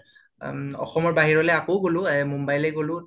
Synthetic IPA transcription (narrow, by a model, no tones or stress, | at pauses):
ɔ̰xɔmɔɹbaɦiɹɔlɛakowɡolʊ̃ɛmumbajlɛjɡolʊ̃